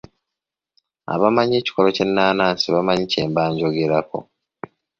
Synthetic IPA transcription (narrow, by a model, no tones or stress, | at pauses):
a̰βamaɲeːci̥ko̞lo̞ce̞nːaːnaːnsiβamaɲice̞ːmbaːɲɟo̞ɡe̞ɾako̞̰